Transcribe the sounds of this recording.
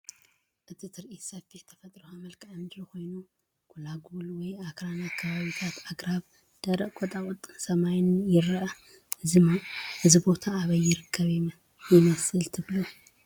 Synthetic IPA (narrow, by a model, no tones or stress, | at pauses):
ʔɨt̪ʰit̪ʰɨɾʔit̪sɐfit̪ʰɐfɐt̪ʼɾuxamɐlkʰʕand̪ɾuxo̞jnu | kʰulaɡulwɔjakɾanakʰːɐβaβit̪ʰat̪aɡɾaβ | d̪̥ɐɾɐʔkʼɔt̪ʼakʼɔt̪ʼːɨnsɐmajnjɪɾɐʔɐ | ɨzɨmaʔɨzibo̞t̪ʰaːβɐjːɪɾɨkʰːɐβ | jɪmɐsɨlt̪ʰɨβlu